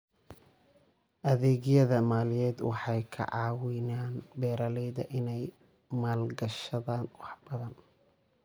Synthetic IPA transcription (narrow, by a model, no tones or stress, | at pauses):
ʔɐðɛːɣjɐðɐmaːlɪjɛːd̪wɑ̰ħɑjkʰɐ̰ʕɑːwɪnaːnbɛːɾaːlɛjðɐʔɪnɛj | maːlɡɐʃɐðaːnwɑħbɐðɐn